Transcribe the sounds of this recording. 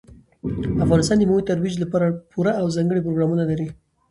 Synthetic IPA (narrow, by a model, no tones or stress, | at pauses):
afɣɑnɪst̪ɑnd̪əmawəjt̪aɾwid͡ʒlapɑɾapʰuɾaawzɑŋɡəɽip̬ɾoɡɾɑmunalaɾi